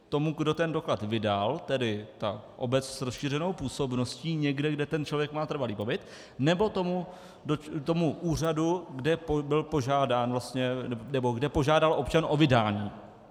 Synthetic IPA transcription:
t̪o̞muɡdo̞t̪ɛndo̞klat̪vɪdalt̪ɛdɪt̪aʔo̞bɛt͡ssɾosʃiːr̝ɛno̞wpuːso̞bnosciːɲɛɡdɛɡdɛt̪ɛnt͡ʃlo̞vjɛkmaːt̪r̩valiːpo̞bɪt̪ | nɛbo̞t̪omu | dot̪o̞muʔuːr̝aduɡdɛpobɪlpo̞ʒaːdaːnvlast̪ɲɛnɛnɛbo̞ɡdɛpo̞ʒaːdalʔo̞pt͡ʃanʔo̞vɪdaːɲiː

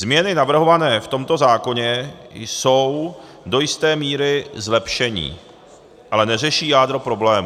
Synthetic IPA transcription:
zmɲɛnɪnavr̩ɦo̞vanɛːft̪o̞mt̪o̞zaːko̞ɲɛ | jso̞w | do̞jɪst̪ɛːmiːɾɪzlɛpʃɛɲḭː | ʔalɛnɛr̝ɛʃiːjaːd̪ɾopɾo̞blɛːm

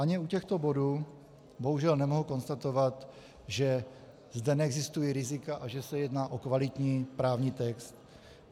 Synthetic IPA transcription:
ʔaɲɛucɛxt̪o̞bo̞duː | bo̞ɦuʒɛlnɛmo̞ɦuko̞nst̪at̪o̞vat̪ | ʒɛ | zdɛnɛɛɡzɪst̪ujiɾɪzɪkaʔaʒɛsɛjɛdnaːʔo̞kvalɪt̪ɲiːpɾaːvɲiːt̪ɛkst̪

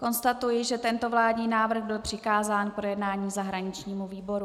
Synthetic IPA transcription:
ko̞nst̪at̪ujɪʒɛt̪ɛnt̪ovlaːdɲiːnaːvr̩ɣbɪlpr̝̥ɪkaːzaːnkɾojɛdnaːɲiːzaɦɾaɲɪt͡ʃɲiːmuviːbo̞ɾu

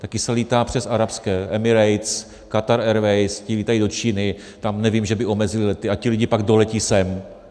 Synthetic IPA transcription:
t̪akɪsɛliːt̪aːpr̝̥ɛsaɾapskɛːʔɛmɪɾɛjt̪s | kat̪aɾɛɾvɛjscɪliːt̪ajido̞t͡ʃiːnɪ | t̪amnɛvimʒɛbɪʔo̞mɛzɪlɪlɛt̪ɪacɪlɪɟɪpaɡdo̞lɛcisɛm

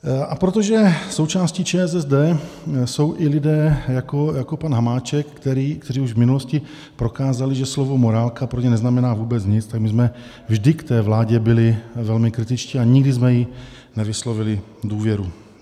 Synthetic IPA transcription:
ʔapɾot̪o̞ʒɛso̞wt͡ʃaːscit͡ʃɛɛzɛzdɛːso̞wʔɪlɪdɛːjakojako̞panɦamaːt͡ʃɛkːt̪ɛɾiːkt̪ɛɾiːuʒvmɪnulo̞scɪ | pɾo̞kaːzalɪʒɛslovo̞mo̞ɾaːlkapɾoɲɛnɛznamɛnaːvuːbɛt͡sɲɪt͡st̪aɡmɪzmɛ | vʒdɪkt̪ɛːvlaːɟɛbɪlɪvɛlmɪkɾɪt̪ɪt͡ʃciːaɲɪɡdɪzmɛji | nɛvɪslo̞vɪlɪ | duːvjɛɾu

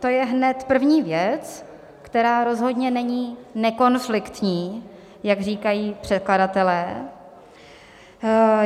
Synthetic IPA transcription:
t̪o̞jɛɦnɛt̪pr̩vɲiːvjɛt͡s | kt̪ɛɾaːɾo̞zɦo̞dɲɛnɛɲiːnɛko̞nflɪkt̪ɲiː | jaɡriːkajiːpr̝̥ɛt̪̚kladat̪ɛlɛː

